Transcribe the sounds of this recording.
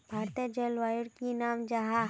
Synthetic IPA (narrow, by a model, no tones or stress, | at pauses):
bʱaːɾt̪iəd͡ʒelʋaːjʊɽkinaːmd͡ʒɐɦa